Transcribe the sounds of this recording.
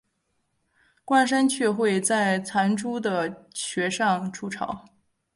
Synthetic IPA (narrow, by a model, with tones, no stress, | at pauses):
kwa˥˩nʂ̬a˥nt͡ɕʰɥɛ˥˧xwe˥˧ɪt͡sa˥˩ɪt͡sʰa˧˥nʈ͡ʂu˥d̪ə˨ɕɥɛ˧˥ʂɑ˥˧ŋʈ͡ʂʰu˥ʈ͡ʂʰɑ̰˨˩˦ʊ